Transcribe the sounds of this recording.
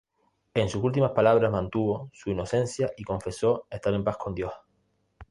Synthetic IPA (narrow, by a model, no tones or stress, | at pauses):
e̞nsusult̪̬imahpalaβ̞ɾaɦmãnt̪uβo̞suino̞sẽ̞nθjaʔiko̞ɱfe̞so̞e̞ht̪aɾe̞mpahko̞nd̪jo̞h